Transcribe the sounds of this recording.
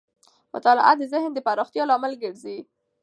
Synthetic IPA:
mʊ̰t̪ɑlɪ̰ʔa̰d̪əzɪhnd̪əpɑɾɑxt̪jɑlɑmalɡəɽzi

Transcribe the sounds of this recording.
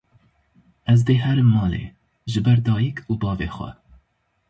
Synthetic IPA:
ʔɛzd̪eːɦɛɾɨmːɑːlḛː | ʒɨbɛɾd̪ɑːjikʰuːbɑːvḛːxʷɛ̰

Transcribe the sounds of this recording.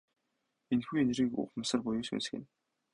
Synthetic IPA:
enxuːenɾiːkʊ̰χmăsə̆rpʊjʊːsṵns̆xḛ̆n

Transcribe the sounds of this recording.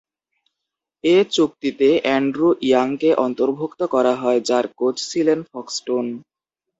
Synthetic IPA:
et͡ɕuk̚t̪it̪eɛɳɖɾuʔiaŋkeʔɔnt̪oɾbʱokt̪okɔɾaɦɔed͡ʑaɾkot͡ɕt͡ɕʰilenfɔksʈon

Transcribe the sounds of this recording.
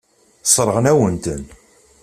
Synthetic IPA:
sˤɾˤəʁənæwənt̪ən

